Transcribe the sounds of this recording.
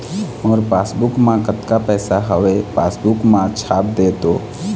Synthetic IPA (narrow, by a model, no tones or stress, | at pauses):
ɔːɾpaːsbʊkmãkət̪kapɛːsaɦəʋepaːsbʊkmãt͡ʃʰaːp̚d̪eːt̪o